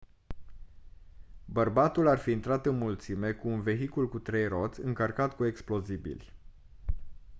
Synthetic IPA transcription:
bərbat̪ularfiːnt̪ɾat̪ɨnmult̪sime̞kuːnve̞ɦikulkut̪ɾe̞jro̞t̪sʲɨŋkərkat̪kue̞ksplo̞zibḭlʲ

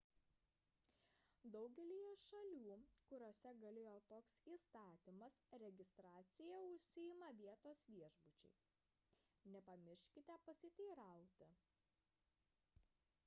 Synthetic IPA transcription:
d̪ɒʊɡʲɛlʲijɛʃɐlʲuːkʊɾʲoːsʲɛɡɐlʲeːjoːt̪oːksiːst̪ɑːt̪ʲɪmɐsɾʲɛɡʲɪst̪ɾɑːt̪sʲɪjɛʊʃʲsʲɪɪmɐʋʲiɛt̪oːsʋʲiɛʒbʊt͡ʃʲɛ̰ɪ | nʲɛpɐmʲɪɾʲʃʲkʲɪt̪ʲɛpɐsʲɪt̪ʲɛːɾɑˑʊt̪ʲɪ

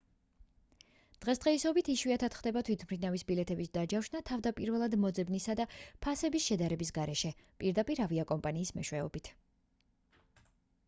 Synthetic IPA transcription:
d̪̥ʁɛsd̪ʁɛisɔbit̪ʰiʃwiat̪ʰat̪χd̪ɛbat̪ʰwit̪ʰmɾinavisbilɛt̪ʰɛbisd̪ad͡ʒafʃnat̪ʰavd̪apʼiɾvɛlˠad̪mɔd̪zɛbnisad̪apʰasɛbisʃɛd̪aɾɛbis̬ɡaɾɛʃɛpʼiɾd̪apʼiɾaviakʼɔmpʼaniːsmɛʃwɛɔbit̪ʰ

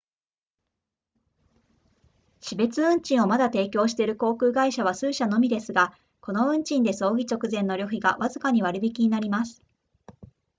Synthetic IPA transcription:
ɕibe̞t͡sɨɯ̟̃ɲ̟t͡ɕĩɰ̃o̞mad̪at̪e̞ːkʲo̞ːɕi̥t̪e̞ɾɯ̟ko̞ːkɯ̟ːɡaiɕaβ̞asɨːɕano̞mʲid̪e̞sɨɡa | ko̞no̞ɯ̟̃ɲ̟t͡ɕĩnd̪e̞so̞ːɡʲit͡ɕo̞kɯ̟zẽ̞nːo̞ɾʲo̞çʲiɡa̰βazɨkaɲ̟iβ̞aɾɯ̟bʲikʲiɲ̟inaɾʲimasɨ̥

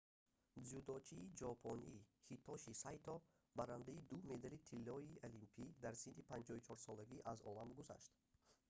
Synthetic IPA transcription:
zud̪ɔt͡ʃʰiːd͡ʒɔpʰɔnihit̪ʰɔʃisajt̪ʰɔ | baɾand̪aid̪umed̪alit̪ʰilːɔiʔalimpʰid̪aɾsind̪ipʰand͡ʒɔut͡ʃʰɔɾsɔlaɡiʔazɔ̰lamɡuza̰ʃt̪

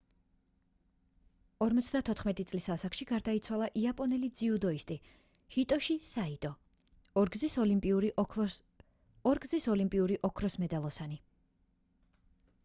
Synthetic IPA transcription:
ɔɾmɔt̪sʰd̪at̪ʰɔt̪ʰχmɛt̪ʼit̪sʼlisasakʃiɡaɾd̪ait̪sʰwalˠaʔiapʼɔnɛlid̪ziud̪ɔist̪ʼi | hit̪ʼɔʃisait̪ʼɔː | ɾɡzisɔlimpʼiuɾi | ɔɾɡzisɔlimpʼiuɾiʔɔkʰɾɔsmɛd̪alˠɔsani

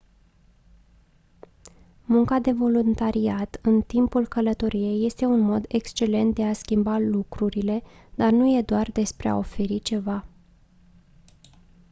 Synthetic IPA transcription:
muŋkad̪e̞vo̞lunt̪aɾiat̪ɨnt̪impulkələt̪o̞ɾije̞jːe̞st̪e̞unmo̞d̪e̞kst͡ʃe̞le̞nt̪̚d̪e̞askʲimbalukɾuɾile̞d̪̥arnuje̞d̪oard̪e̞spɾe̞a̰o̞fe̞ɾit͡ʃe̞va

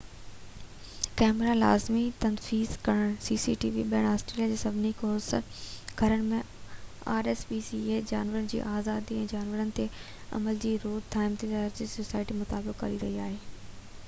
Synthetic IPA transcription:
kɛːmɾala̰ːzmit̪ɐnfiːzkɐɽ̃əɽ̃siːsiʈiːʋiɓɐəɽ̃aːsʈɾeːlijad͡ʑeːsɐbʱɪnikoːɾsɡ̥ʱɐɾəɽ̃ɪ̆mẽ | aːɾeːsbiːsieːd͡ʑaːnʋəɾənɪ̆d͡ʑḭːʔaːzaːd̪iɛ̃ːd͡ʑaːnʋəɾənɪ̆t̪ʰe | ɐ̰məld͡ʑiːɾoːdt̪ʰaːɪ̃mt̪ʰizaːɾd͡ʑiːsosaːɪʈimʊt̪aːlbɪkkːɐ̰ɾiɾɐɦiaːɦeː

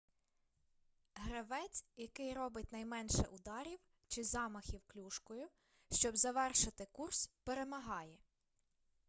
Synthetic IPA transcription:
ɦɾɐʋɛt͡sʲjɐkɪjrɔbɪtʲnɐjmɛnʃɛ̰ʔʊd̪ɑɾʲiw | t͡ʃɪzɑmɐxʲiwklʲuʃkɔjʊ | ʃt͡ʃɔbzɐʋɛrʃɪt̪ɪkurspeɾemɐɦɑjɛ

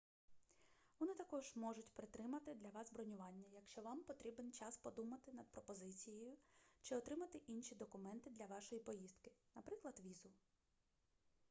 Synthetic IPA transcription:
ʋɔnɪt̪ɐkɔʒ̥mɔʒʊtʲpɾɪt̪ɾɪmɐt̪ɪd̪lʲɐʋɑzbɾɔnʲʊʋɑnʲːɐjɐkʃt͡ʃɔʋɑmpɔt̪ɾʲibent͡ʃɑspɔd̪umɐt̪ɪnɐd̪̚pɾɔpɔzɪt͡sʲijejʊt͡ʃɪɔt̪ɾɪmɐt̪ɪʔinʃʲid̪ɔkʊmɛnt̪ɪd̪lʲɐʋɑʃɔjipɔjizd̪kɪ̥nɐpɾɪklˠɐd̪ʋʲizʊ

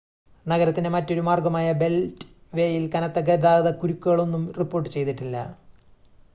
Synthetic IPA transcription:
nɐɣɐɾɐt̪ːinemɐtːo̞ɾumaːrɡɐmaːjɐbe̞ltʋe̞ːjilkɐnɐt̪ːɐɡɐɾðaːɣɐðɐkuɾukʲːuɣɐɭo̞nːumripːo̞ːrʈːɨt͡ɕe̞jt̪iʈːilːɐ

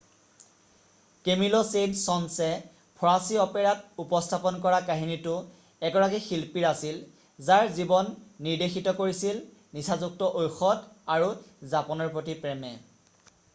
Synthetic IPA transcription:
kemilɔsensɔnsɛ | pʰɔɹasiɔpɛɹatupɔstʰapɔnkɔɹakaɦinitʊ | ɛɡɔɹakixilpiɹasil | zaɹzibɔnːiɹdexitɔkoɹisil | nisʰazuk̚tɔʔojxɔdaɹuzapɔnɔɹpɹotipɹɛmɛ

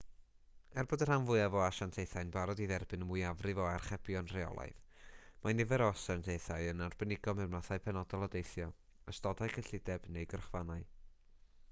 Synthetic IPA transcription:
ɛrbɔdər̥hanvʊɨavɔaʃantʰejθajnbaɾɔdiðɛrbɨnəmʊjavrɨvɔarχɛb̥jɔnreɔ̰lˠa̰ɨð | manɪvɛɾɔsantʰejθaɨənarbənɪɡɔmɛmnaθaɨpʰɛnɔdɔlˠɔdejθjɔ | əstɔdajkʰəɬɪdɛbnejɡərχvanaɨ

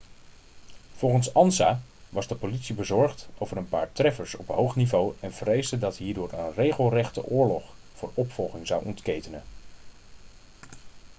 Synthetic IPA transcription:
v̥ɔlˠχənsɑnsaːʋɑzdəpolitsibəzɔɹχtowvərənpa̰ːɹtrɛfəɹsɔpɦowχnivowɛnvərejzdədɑtɦiːɹdʊːɹə̰nrejχəlˠrɛχtə̰ʔʊːɹlɔχ | vʊːɹɔpfɔlˠχɪŋzɑwʔɔ̰ntkejtənən

